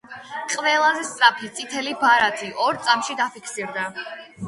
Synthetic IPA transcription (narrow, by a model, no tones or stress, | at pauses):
qʼvɛlˠazɛst̪sʼɾapʰit̪sʼit̪ʰɛlibaɾat̪ʰiʔɔɾt̪sʼamʃid̪apʰikʰsiɾd̪a